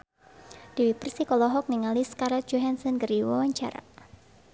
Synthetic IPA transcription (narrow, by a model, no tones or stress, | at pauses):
d̥iwipərsikɔlɔɦɔk̚niŋaliskaɾad͡ʒoɦansənɡəriwawaɲt͡ʃa̰ɾa̰